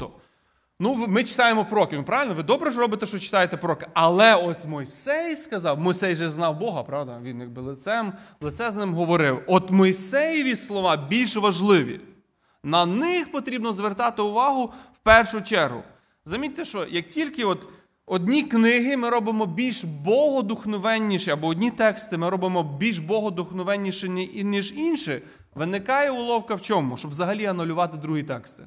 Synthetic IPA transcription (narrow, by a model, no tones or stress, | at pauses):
ɔ | nuʋmɪt͡ʃɪ̥t̪ɑjemɔpɾɔkɪnʊpɾɑʋʲɪlʲnɔʋɪd̪ɔbɾɛʒɾɔbɪt̪ɛʃt͡ʃɔt͡ʃɪ̥t̪ɑjet̪ɛpɾɔkɪɐlˠɛɔsʲmɔjsɛjskɐzɑwmɔjsɛjʒɛznɑwbɔɦɐpɾɑwd̪ɐʋʲinjɐkbɪlˠɪt̪sɛmlˠɪt̪sɛznɪmɦɔʋɔɾɪwɔt̪mɔjsɛjɪʋʲislˠɔʋɑbʲilʲʃʋɐʒlˠɪʋʲḭ | nɐnɪxpɔt̪ɾʲibnɔzʋert̪ɑt̪ɪʊʋɑɦʊwpɛrʃʊt͡ʃɛrɦʊ̰ | zɐmʲitʲt̪eʃt͡ʃɔjɐk̚tʲilʲkɪɔt̪ | ɔdʲnʲiknɪɦɪmɪɾɔbɪmɔbʲilʲʃbɔɦɔd̪ʊxnɔʋɛnʲːiʃɛɐbɔɔdʲnʲit̪ɛkst̪ɪmɪɾɔbɪmɔbʲilʲʃbɔɦɔd̪ʊxnɔʋɛnʲːiʃɪnʲinʲiʒinʃɪ | ʋɪnɪkɑjɛʊlˠɔwkɐwt͡ʃɔmʊʃt͡ʃɔbzɐɦɐlʲiɐnʊlʲʊʋɑt̪ɪd̪ɾuɦit̪ɛkst̪ɪ̥